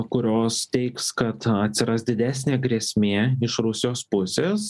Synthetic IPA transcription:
kʊɾʲoːst̪ʲɛɪkskɐt̪ɐt̪ʲsʲɪɾɐsd̪ʲɪd̪ʲæːsʲnʲeːɡɾʲiɛsʲmʲeːɪʃɾʊsʲɪjoːspʊsʲeːs

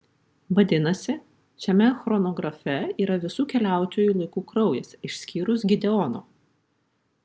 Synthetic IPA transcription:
ʋɐd̪ʲɪnɐsʲɪ | ʃʲɛmʲɛxɾɔnoːɡɾɐfʲɛiːɾɐʋʲɪsuːkʲɛlʲæˑʊt̪ʲoːjuːlˠɐɪkuːkɾɒʊjɛsɪʃʲsʲkʲiːɾʊsɡʲɪd̪ʲɛɔno̰ː

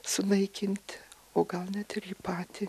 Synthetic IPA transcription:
sʊnɐɪkʲɪnʲt̪ʲ | oːɡɐlˠnʲɛt̪ɪrjɪpɑːt̪ʲɪ

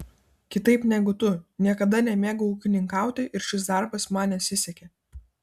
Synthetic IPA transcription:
kʲɪt̪ɐɪpnʲɛɡʊt̪ʊnʲiɛkɐd̪ɐnʲɛmʲeːɡɐuːkʲɪnʲɪŋkɑˑʊt̪ʲɛɪʔɪɾʃʲɪs̬d̪ɑˑɾbɐsmɑːnʲɛɐt̪ʲsʲɪsʲɛkʲɛ

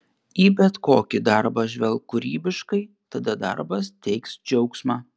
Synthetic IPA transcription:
iːbʲɛt̪koːkʲɪd̪ɐɾbɐʒʲʋʲɛlˠkʊɾʲiːbʲɪʃkɐɪ | t̪ɐd̪ɐd̪ɐ̰ɾbɐst̪ʲɛɪksd͡ʒʲɛʊksmɑː

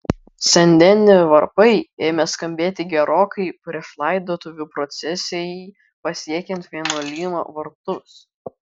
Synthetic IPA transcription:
sʲɛnʲd̪ʲɛnʲɪʋɐɾpɐɪeːmʲɛskɐmʲbʲeːt̪ʲɪɡʲɛɾoːkʰɐɪpʲɾʲɪflˠɐˑɪd̪oːt̪ʊʋʲuːpɾɔt̪sʲɛsʲeji | pɐsʲiɛkʲɛnt̪ʋʲiɛnuoːlʲiːmo̰ːʋɐɾt̪ʊs

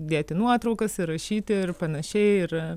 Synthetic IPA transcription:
d̪ʲeːt̪ʲɪnuɔt̪ɾɐʊkɐsɪrɐʃʲiːt̪ʲɪɪrpɐnɐʃʲɛɪɪr

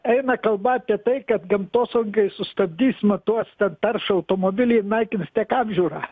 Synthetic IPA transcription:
ɛɪnɐkɐlˠbɐːpʲiɛt̪ɐɪkɐt̪ɡɐmt̪oːsʊŋkɐɪsʊst̪ɐbʲd̪ʲiːsʲmɐt̪uɔst̪ʲɛnt̪ɐrʃɐʊt̪oːmoːbʲɪlʲiːnɐɪkʲɪnstʲiɛkɑːbʲʒʲuːɾɑː

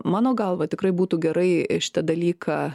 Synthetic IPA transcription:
mɑːnoːɡɐlˠʋɐt̪ʲɪkɾɐɪbuːt̪uːɡʲɛɾɐɪʃʲɪ̥t̪ɐd̪ɐlʲiːkʰɑː

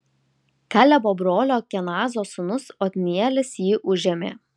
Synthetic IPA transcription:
kælʲɛboːbɾoːlʲoːkʲɛnɑːzoːsʊnʊsoːt̪ʲnʲiɛlʲɪsjiːʔʊʒʲɛmʲḛː

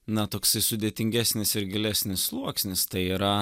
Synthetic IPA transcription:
nɐt̪oːksɐɪsʊd̪ʲeːtʲɪŋʲɡʲæsʲnʲɪsɪɾɡʲɪlʲæsʲnʲɪsːlˠuɔksʲnʲɪst̪ɐɪiːɾɐ

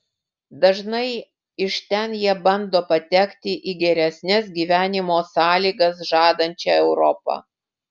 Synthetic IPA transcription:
d̪ɐʒnɐɪ | ɪʃt̪ʲɛnjiɛbɐnd̪oːpɐt̪ʲɛkt̪ʲɪʔiːɡʲɛɾʲɛsʲnʲɛs̬ɡʲiːʋʲæːnʲɪmoːsɑːlʲiːɡɐsʒɑːd̪ɐnʲt͡ʃʲɛːɛʊɾɔpɐ̰ː

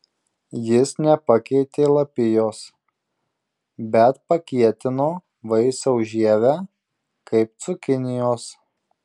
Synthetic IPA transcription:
jɪsnʲɛpɐkʲɛɪt̪ʲeːlˠɐpʲɪjoːs | bʲɛt̪pɐkʲiɛt̪ʲɪnoː | ʋɐɪsɐʊʒʲiɛʋʲæː | kɐɪp̚t̪sʊkʲɪnʲɪjoːs

